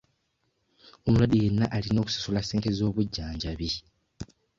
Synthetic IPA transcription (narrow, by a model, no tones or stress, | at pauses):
omulwadije̞nːaʔalino̞ːku̥si̥sulase̞ːnte̞zo̞ːβuɟːaːɲɟaβi